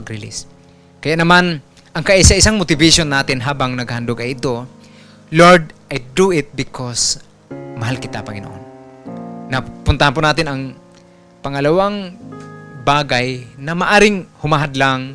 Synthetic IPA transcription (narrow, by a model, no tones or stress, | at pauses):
ɡɾɪlḭs | kɐjaʔnɐman | ʔɐŋkɐʔisaʔɪsaŋmot̪ɪvɪʃonːaːt̪ɪnɦaːbaŋnɐɡ̚hand̪oɡɐjɪt̪o | loɹd̪ʔajd̪uʔɪt̪̚bɪkʰos | mɐɦalkɪt̪apɐŋɪno̰ʔo̰nː | ɐpʊnt̪ahanponaːt̪ɪnɐŋ | pɐŋɐlɐwaŋ | baːɡajnɐmɐʔaːɾɪŋhʊmaɦad̪laŋ